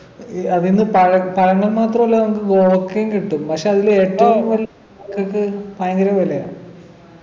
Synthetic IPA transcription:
ɐðinːɨpɐɻɐpɐɻɐŋːɐlmaːt̪rɐmɐlːanɐmukːɨɡoːkːejuŋkiʈːumpɐkʂeɐðileːʈːɐʋɐlː | ɐkːɐkːɨpaːjɐŋɡɐɾɐʋɐleja̰ː

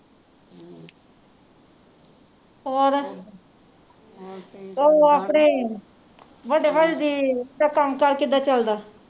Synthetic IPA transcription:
oːɾ | t̪oːaːpɳeː | ʋəɖeːʋəɖed̪iːɖaːkəmkəɾkɪd̪aːt͡ʃəld̪aː

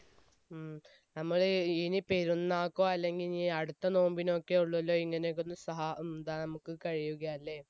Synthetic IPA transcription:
nɐmːɐɭinipeɾunːaːkːoːɐlːe̞ŋɡilniɐɽut̪ːɐno̞ːmbino̞kːeuɭːɐlːo̞ːiŋːɐnekːonːɨsɐɦaːund̪aːnɐmukːɨkɐɻijuɣɐːlːeː

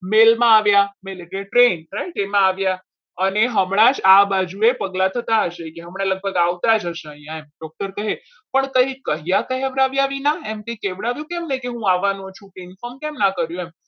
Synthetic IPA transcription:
melmãaʋjameleʈleʈɾentɾaiʈemãaʋja | əneɦəmɽ̃ãd͡ʒabad͡ʒuepəɡlat̪ʰət̪aɦəʃekeɦəmɳ̃aləɡ̚bʱəɡaʋt̪ad͡ʒɦəʃeəɦĩjãemɖɔk̚ʈəɾkəɦe | pəɳkəɦĩkəɦijakəɦieʋɾaʋjaʋinaɛmt̪ĩkeʋɽaʋjũkɛmnəjkeɦũaʋanõt͡ʃʰũʈiɪnfəmkɛmnãkəɾjũem

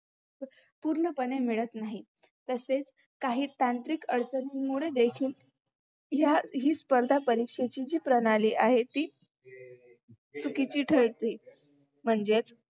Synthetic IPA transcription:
puɾɳəpənemiɭət̪naɦi | t̪əset͡s | kaɦiːt̪ant̪ɾiːkəɽt͡sənimuɭed̪ekʰiːl | ɦjaɦiːspəɾd̪ʱapəɾikʂet͡ɕid͡ʑiːpɾənaliːʔaɦet̪iː | t͡sukit͡ɕiːʈʰəɭt̪iː | m̤əɳd͡zet͡s

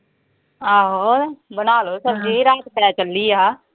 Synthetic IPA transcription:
aːɦoːbənaːloːsəbd͡ʒiːɾaːt̪pɛːt͡ʃəlːiːaː

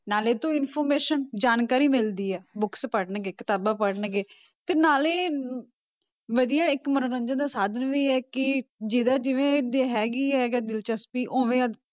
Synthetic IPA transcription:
naːleːt̪õːɪnpʰoːɾmeːʃənd͡ʒaːnkaːɾiːmɪld̪iːɛːbʊkspəɽənɡeːkɪt̪aːbaːpəɽənɡeː | t̪eːnaːleː | ʋəd̪ijaːɪkməɾɾə̃nd͡ʒənd̪aːsaːd̪ənʋiːɛːkɪd͡ʒɪd̪aːd͡ʒɪʋẽːd̪eɦɛːɡiːɛːɡaːd̪ɪlt͡ʃəspiːʔoːʋẽːəd̪

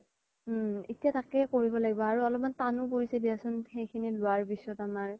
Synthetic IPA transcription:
etijatakɛkoɹibɔlaɡibɔaɹuɔlɔp̚mantanupoɹisebiasʊnxejkʰinilʊaɹbisːɔtamaɹ

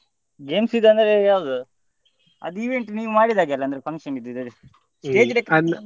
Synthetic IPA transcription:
ɡe̞ːmsid̪ːɐnd̪ɐɾejaːʋud̪u | ɐ̰d̪iʋe̞ɳʈniːʋumaːɽid̪aːɡeɐlɐnd̪ɐɾepʰɐŋkʂɐnid̪ːid̪ɐd̪i | sʈeːd͡ʒlekɐn

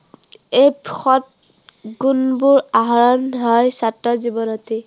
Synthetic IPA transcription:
ejpxɔt̚ | ɡunbuɹaɦɔɹɔnɦɔjsatːɔzibɔnɔti

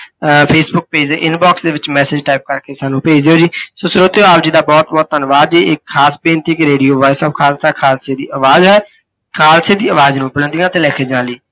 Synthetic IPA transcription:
pʰeːsbʊk̚peːd͡ʒdeːʔɪnbɔːksd̪eːʋɪt͡ʃmɛːsɪd͡ʒʈaːɪp̚kəɾkeːsaːnũːpeːd͡ʒd̪ejoːd͡ʒiːsoːsʊɾoːt̪ːoːaːbd͡ʒiːd̪aːbɔːt̪̚bɔːt̪̚t̪ənʋaːd̪d͡ʒiːʔɪkʰːaːsbẽːnt̪ɪkɾeːɖiːoːʋaːɪsəːb̚kʰaːlsaːkʰaːlseːd̪ḭːʔəʋaːzɦɛː | kʰaːlseːd̪iːəʋaːznũːpələ̃nd̪ijãːət̪eːlɛːkʰeːd͡ʒãːliː

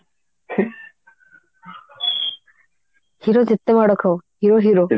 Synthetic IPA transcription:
hiɾod͡ʑet̪ːemaɽɔkʰawhiɾoɦiɾo

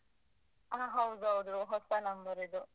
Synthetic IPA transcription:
aːɦɐwd̪uɦɐwd̪uɦɔsɐnɐmbɐɾid̪u

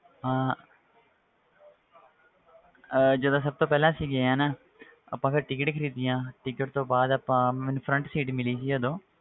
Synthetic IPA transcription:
ãː | d͡ʒəd̪ãːs̬əb̚t̪õːpɛːlãːsiːɡeãːnaː | ə̰pːãːpʰɪɾʈɪkɪʈkʰəɾiːd̪ijãːʈɪkɪʈt̪õːbaːd̪əpãːmɛ̃ːnũːpʰɾəɳʈsiːʈmɪliːsiːəd̪õː

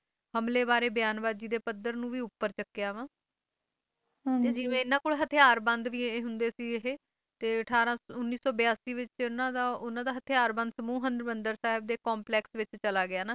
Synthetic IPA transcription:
həmleːbaːɾeːbjaːnbaːd̪d͡ʒiːd̪eːpəd̪əɾnũːʋiːʊpːəɾt͡ʃəkːɪjaːʋãː | t̪eːd͡ʒɪʋẽːɪnːãːkoːlɦət̪ʰɪjaːɾbə̃nd̪ʋiːeɦʊnd̪eːsiːɦeː | t̪eːəʈʰaːɾãːʊnːiːsɔːbɪjaːsiːʋɪt͡ʃnãːd̪aːʊnãːd̪aːɦət̪ʰɪjaːɾbə̃nd̪səmuːɦənd̪ɾmənd̪əɾsaːɦɪb̚d̪eːkɔːmplɛːksʋɪt͡ʃt͡ʃəlaːɡɪjaːnaː

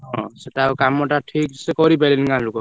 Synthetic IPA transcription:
ɦɔ̃seʈakamːɔʈaʈʰik̚sekɔɾibeliniŋkanlukɔ

